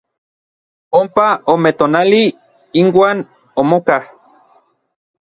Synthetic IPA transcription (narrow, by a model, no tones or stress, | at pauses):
ompaomet̪oːnali | inwaːn | omokah